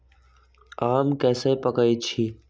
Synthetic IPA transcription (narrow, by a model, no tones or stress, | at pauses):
aːmkɛːsepəkəjt͡ʃʰiː